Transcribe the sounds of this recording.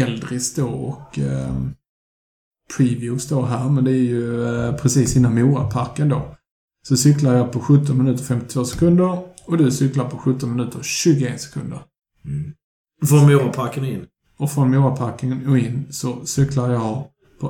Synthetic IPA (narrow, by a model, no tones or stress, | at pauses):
ɛld̪ɾɪst̪̚d̪oɔ̰k | pʰɾiːvjʉːst̪oːɦæːɾmɛnd̪ɛæɾjɵpʰɾɛsiːsɪnːanmuːɾa̰pʰaɾkənd̪oː | sɔsʏklaɾjɑpʰɔɧɵt̪ːɔnmɪnʉ̟ːt̪əɾfɛmt̪ɪt̪ʰvoːsɛ̥kʰɵnd̪əɾɔd̪ɵsʏklaɾpʰɔɧɵt̪ːɔnmɪnʉ̟ːt̪əɾɕʉ̟ːɡʊeːnsɛ̥kʰɵ̰nd̪ə̰ɾ | fɾɔnmuːɾapʰaɾkənɪ̰nː | ɔfɾɔnmuːɾapʰaɾknɪŋənɔɪnːsɔsʏklaɾjɑ | pʰɔ